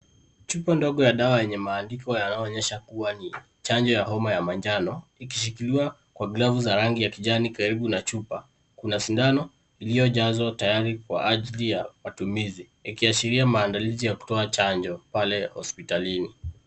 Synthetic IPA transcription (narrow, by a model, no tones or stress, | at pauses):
t͡ʃupandɔɠɔjaɗawajɛɲɛmaːndikɔjanaɔːɲɛʃakuwani | t͡ʃaɲd͡ʒɔjaɦɔmajamand͡ʒanɔikiʃ̬ikiliwa | kwaɡlavuzaɾaŋɡijakiʄanikaɾiɓunat͡ʃupa | kunasindanɔ | ilijɔʄazɔtajaɾikwa̰ʔaʄlijamatumizi | ikiaʃiɾiamaːndalizijaku̥tɔat͡ʃaɲd͡ʒɔpalɛhɔ̰spitalini